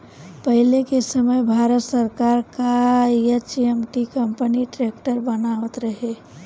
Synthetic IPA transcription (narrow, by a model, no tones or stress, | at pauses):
pəɦilekesəməjbʱaɾət̪səɾkaɾkaet͡ʃiemʈikəmpəniʈɾekʈəɾbənaʋət̪ɾəɦe